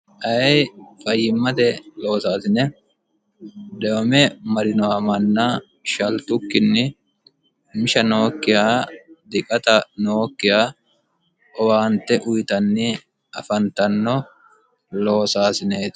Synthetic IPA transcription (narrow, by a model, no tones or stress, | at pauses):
ʔɐjfɐjːɪmːɐd̪ɛlo̞ːsaːsɪnɛ | d̪ɛɔmɛmɐɾɪnɔwamɐnːɐ | ʃɐlt̪ʊkːɪnːɪ | mɪʃɐno̞ːkːɪjaːd̪ɪkʼɐt̪ɐnoːkːɪjaː | ʔɔwaːnt̪ːɛʔʊjt̪ɐnːɪ | ʔɐfɐnt̪ɐnːɔ | lo̞ːsaːsɪneːt̪